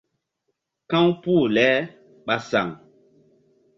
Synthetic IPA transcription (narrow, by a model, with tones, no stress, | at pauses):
kã˦wpu˦˨lɛː˨˦ | ɓa˨sa̰˨ŋ